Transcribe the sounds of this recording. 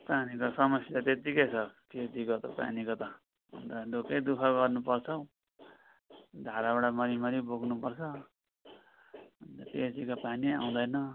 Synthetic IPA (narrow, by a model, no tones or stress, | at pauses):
panikosʌmʌsjat̪et̪ikejt͡sʰʌt̪et̪ikot̪ʌpa̰nikot̪ʌ̰ | nt̪ad̪ʱokejd̪ukʰaɡʌrnupʌrt͡sʰʌw | d̪ʱaɾabaɽamʌɾimʌɾiboɡnupʌrt͡sʰʌ | ʌnt̪ʌted͡zikopania̰w̃d̪ʌjnʌ